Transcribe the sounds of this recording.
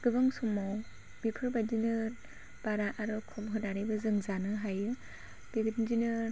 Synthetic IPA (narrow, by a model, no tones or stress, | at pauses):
ɡ̥ɯbɯŋsumɔ | bipʰɯɾbadinɯ | b̥aɾaʔaɾɯkʰɔmɦɯdaɾajbɯzɯŋzanɯɦajɯ | b̥iɡɯtnd͡ʒinɯ